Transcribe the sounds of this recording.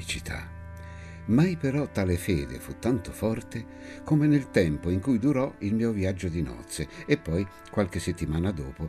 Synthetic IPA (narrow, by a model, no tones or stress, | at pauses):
it͡ʃit̪ʰa̰ | majpeɾɔt̪ːaːlefɛ̰ːd̪ḛfut̪ːant̪ofɔrt̪e | komenelt̪ɛmpoiŋkujd̪uɾɔilmiːovjad͡ʒːod̪inɔ̰t̪sːeepːɔj | kwalk̟esːet̪ːimaːnad̪oːpo